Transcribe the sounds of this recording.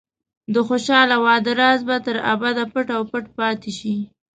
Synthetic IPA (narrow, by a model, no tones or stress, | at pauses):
d̪əxoʃɑlawɑd̪əɾɑzbat̪əɾa̰bad̪apəʈawpəʈpɑt̪eʃi